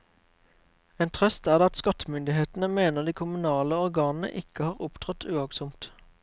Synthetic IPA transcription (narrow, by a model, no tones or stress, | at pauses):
eːnt̪ʰʁœst̪æːʁd̪ɑt̪skɑt̪əmʏnd̪ɪheːt̪n̩əmeːnəʁd̪iːkʰʊmʉnɑːləɔʁɡɑːnn̩ə̰ʔɪkəhɑːʁʊpt̪ʰʁɑt̪ʰʉːɑksʊmt̪